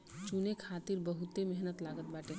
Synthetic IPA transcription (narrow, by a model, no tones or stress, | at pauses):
t͡ʃunekʰat̪iɾbəɦut̪emeɦnət̪laɡət̪baʈe